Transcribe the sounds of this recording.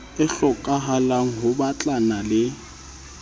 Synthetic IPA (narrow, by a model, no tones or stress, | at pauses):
ɪɬɔkʼaɦalaŋ̩ɦʊbat͡ɬʼanalɪ